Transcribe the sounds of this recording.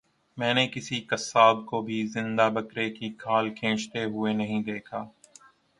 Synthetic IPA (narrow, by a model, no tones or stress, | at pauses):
mɛ̃ːnekɪsikɐsːaːb̚kobʱizɪ̃nd̪abɐkɾekikʰaːlkʰẽːt͡ʃt̪eɦʊenɐɦĩd̪eːkʰaː